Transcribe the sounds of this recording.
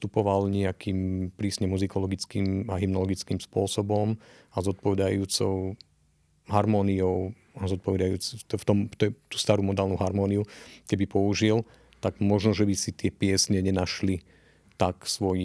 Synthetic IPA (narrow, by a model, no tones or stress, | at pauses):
st̪upɔʋalɲɛakiːmpɾiːsɲɛmuzikɔlɔɡit͡skiːmaɦimnɔlɔɡit͡skiːmspʊɔsɔbɔm | azɔt̪̚pɔʋɛd̪ajuːt͡sɔʊ | ɦaɾmɔːniɔʊ | azɔt̪̚pɔʋɛd̪ajuːt͡st̪ft̪ɔmt̪ɔt̪u̥ːst̪aːɾuːmɔd̪aːlnuɦaɾmɔːniukɛbipɔuʒil | t̪aɡmɔʒnɔʒɛbisit̪ɪɛpɪɛsɲɛɲɛnaʃli | t̪aksʋɔji